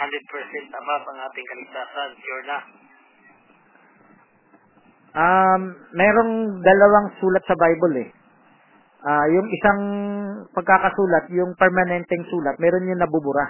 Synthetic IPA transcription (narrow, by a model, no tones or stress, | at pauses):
hand̪ɛd̪̚pɛɹsɛnt̪ɐbapɐŋʔaːt̪ɪŋkɐlɪɡ̚t̪aːsɐnkjuɹnɐ | ʔaːɛːɾo̞ŋd̪ɐlɐwaŋsuːlɐt̪̚sɐbajbolɛ | ʔaːjʊŋɪsaŋpɐɡ̚kakɐsuːlɐt̪̚jʊŋpɛɹmɐnɛnt̪ɛŋsuːlɐt̪̚mɛːɾo̞njʊŋnɐbʊbʊɾa